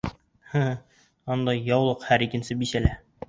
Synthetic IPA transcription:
hə | ɒnd̪ɑjjːɒwlˠɤqhæɾikɘ̆nsɘbisælæ

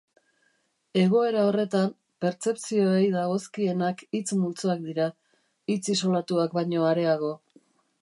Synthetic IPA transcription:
e̞ɣ̞o̞e̞ɾao̞re̞t̪am | pe̞ɾt͡se̞pt͡sio̞ejðaɣo̞skie̞nakit͡smult͡soak̚d̪iɾa | it͡sis̬o̞lat̪uakbajɲo̞aɾe̞aɣ̞o̞

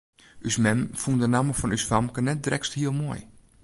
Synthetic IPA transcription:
ʔysmɛmfundənaməfɔnysfamkənɛt̚drɛksthiəlˠmoəj

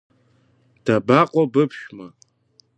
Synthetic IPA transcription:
d̥abaːqʷʼɔbɨpʰʃᶣmɐ

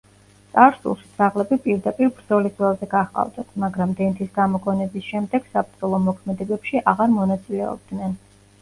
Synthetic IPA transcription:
t̪sʼaɾsṵlˠʃi̥t̪sʼaʁlɛbipʼiɾd̪apʼiɾbɾd̪zɔlisvɛlˠzɛɡaχqʼa̰vd̪at̪ʰmaɡɾamd̪ɛnt̪ʰisɡamɔkʼɔnɛbisʃɛmd̪ɛɡ̥sapʰɾd̪zɔlˠɔmɔkʰmɛd̪ɛbɛpʃiʔaʁaɾmɔnat̪sʼilɛɔ̰b̚d̪nɛn

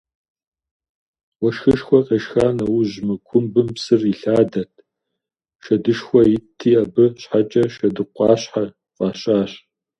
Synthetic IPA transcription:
wɐʃxɨʃxʷɔqʼeʃxaːnɐwʊʑmɨkʷʰʊmbɨmpsɨriɬaːdɐtʰ | ʃɐdɨʃxʷɔjɪtʰiːɐbɨɕħat͡ʃʼɐʃɐdɨqʷɑːɕħa | qʼɑːɕʼaːɕ

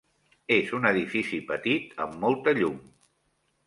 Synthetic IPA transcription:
ezunəðifisipət̪it̪əmːɔlˠt̪əʎum

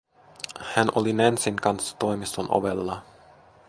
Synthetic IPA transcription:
hænʔolinænsiŋkɑnsːɑ̥t̪o̞jmist̪onʔo̰ʋelːɑ

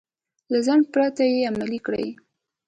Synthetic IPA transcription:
lazaŋɡpɾat̪ajeamalikɽə̰j

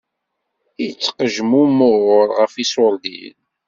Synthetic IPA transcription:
it͡sːqəʒmumoʁʊɾˤʁəfisoɾˤd̪ḭl

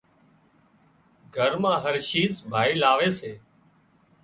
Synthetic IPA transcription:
ɡʱəɾmãːɦəɾʃiːzbʱaːiːlaːʋeːseː

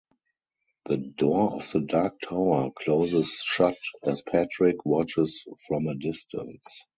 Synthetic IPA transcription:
ðədɔɔfðədak̚tʰaʊə˞kʰloʊzɪsʃatɛspʰætɹɪkwɔt͡ʃɪsfɹɔ̃mədɪstʰə̃ns

